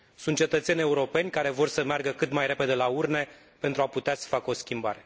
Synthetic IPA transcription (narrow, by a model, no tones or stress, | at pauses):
sunt̪̚t͡ʃe̞t̪ət̪se̞nʲeuɾo̞pe̞nʲkaɾe̞vo̞rsəmearɡəkɨt̪majɾe̞pe̞d̪e̞laurne̞ | pent̪ɾuaput̪easə̥fakəo̞skʲimbaɾe̞